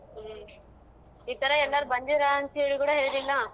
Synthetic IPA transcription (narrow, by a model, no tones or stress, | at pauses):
ipːɛɾɐɛlːaːɾɯbɐnd̪iɾaɐnt̪eɭikuːɽɐɦeːlilːaː